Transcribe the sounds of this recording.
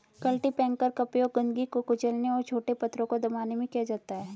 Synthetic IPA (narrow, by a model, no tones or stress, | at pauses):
kɐlʈipɛ̃ːŋkəɾkɐpjoɡɐ̃nɡikokʊt͡ʃəlneɔːɾt͡ʃʰoːʈepɐt̪ːɾõkod̪ɐmaːnemẽkiad͡ʒaːt̪aɦɛː